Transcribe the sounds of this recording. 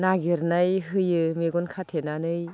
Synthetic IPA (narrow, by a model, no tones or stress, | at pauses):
naɡiɾnajɦɯjɯmeɡɔnkʰatʰenanɯj